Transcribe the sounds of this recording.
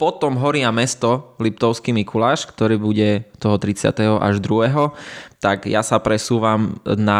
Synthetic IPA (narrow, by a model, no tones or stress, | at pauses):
pɔt̪ɔmɦɔɾiamɛst̪ɔlip̚t̪ɔʊskimikulaːʃkt̪ɔɾiːbuɟɛt̪ɔɦɔt̪ɾit͡sɪa̰t̪ɛɦɔʔa̰ʒd̪ɾuɦɛɦɔt̪aɡjasapɾɛsuːʋamna